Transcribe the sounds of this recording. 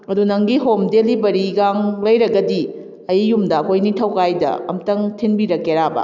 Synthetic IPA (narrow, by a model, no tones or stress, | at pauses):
ɐdunɐŋɡiɦomdelibɐɾiɡaŋlɐjɾɐɡɐdi | ɐjjumdɐɐkʰojnitʰɐwkajdɐ̰ɐ̰mtɐŋtʰinbiɾɐkːeɾabɐ̰